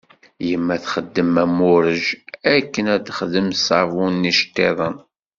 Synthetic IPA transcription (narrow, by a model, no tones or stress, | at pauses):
jəmːæθχəd̪ːəmæmʊɾəʒækːənæd̪χðəmsɑvunːiʃt̪ːeðˤən